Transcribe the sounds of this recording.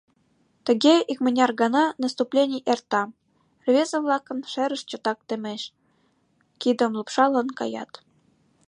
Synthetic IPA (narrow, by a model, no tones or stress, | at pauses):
t̪ə̆ɡʲeʔikmə̆nʲɑrɡɑnɑnəst̪uplʲenʲijʔert̪ɑ | rvʲezə̆vlˠɑkɤ̆nʃeɾə̆ʃt͡ɕŏt̪ɑk̚t̪ĕmʲeʃ | kid̪ə̆mlˠupʃɑlɤ̆nkɑ̰jɑ̰t̪